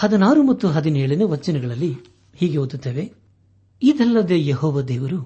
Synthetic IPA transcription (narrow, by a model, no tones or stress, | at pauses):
hɐd̪ɐnaːɾumɐt̪ːuɦɐd̪ineːɭinuʋɐt͡ʃːinɛɡɐɭɐlːi | hiːɡeɦoːd̪ut̪ːeːʋe̞ | id̪ɐlːɐd̪eːjeɦɔːʋɐd̪eːʋɐɾu